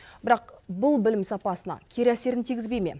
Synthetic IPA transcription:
b̥ɪɾɑqbʊlˠbɪlɪmsɑpɑsənɑ̰kʲʰe̞ɾæse̞ɾɪnt̪ʰijɡʲɪzbe̞jme̞̰

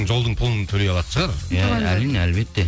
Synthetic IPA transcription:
ŋʒo̞lˠd̪əɴpʰʊlˠənt̪ʰɵlejɑlˠɑt̪ə̥ʃəʁɑɾjælineælbe̞t̪ːe

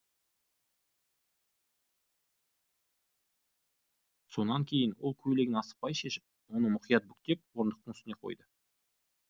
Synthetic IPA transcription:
so̞nɑŋkʲʰe̞jɪnwo̞lˠkʲʰɵle̞ɡʲɪnɑsə̥pːɑjʃeʃɪ̥p̚wo̞nəmʊqijɑt̪̚bʏk̚t̪e̞p̚woɾənd̪əq̚t̪əɴʏst̪ɪne̞qʰo̞̰jd̪ə

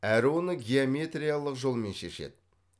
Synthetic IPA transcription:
æɾɪwo̞nəɡʲeomʲe̞t̪rijalˠəqʒo̞lˠme̞nʃe̞̰ʃe̞̰d̪̥ɪ

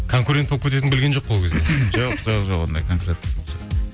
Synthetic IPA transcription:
kʰo̞ŋkuɾʲent̪̚bopkʰʲːet̪̬eɪnbɪlɡʲenʒo̞q̚bolˠkʲʰezd̪eʒɑqʰzɑʁʒoqwo̰nd̪ɑ̰jkʰoŋkuɾʲen̚boosɑ

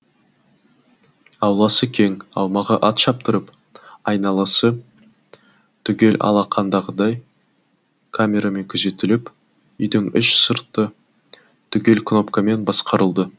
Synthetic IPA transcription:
ɑwlˠɑsəkʲʰe̞ŋɑ̰wmɑʁəʔɑt̪ʃɑp̚t̪əɾəp | ɑjnɑlˠɑsə | t̪ʰʏɡʲe̞lʔɑ̰lˠɑqʰɑnd̪ɑʁəd̪ɑj | kʰamʲe̞ɾame̞ŋkʲʰʏze̞t̪ɪlɪp | ʏjd̪ɪŋʏʃsəɾt̪ːə | t̪ʰʏkʲe̞lkʰno̞pkame̞nbɑsqɑɾəlˠd̪ə

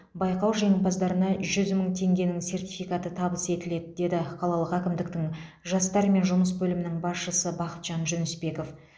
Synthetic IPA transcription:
bɑjqɑwʒe̞ŋɪlbɑzd̪ɑɾənɑʒʏzməɴt̪ʰe̞ŋɡʲe̞nɪŋse̞rt̪ijfijkɑt̪ət̪ʰɑbəse̞t̪ɪle̞d̪ɪd̪e̞d̪ɪqʰɑlˠɑlˠəqækʲɪmd̪ɪk̚t̪ɪŋ | ʒɑst̪ɑɾme̞nʒʊməs̬bɵlɪmɪnɪŋbɑsʃəsəbɑqə̥t̪ʒ̥ɑnʒʏnʏspe̞ko̞f

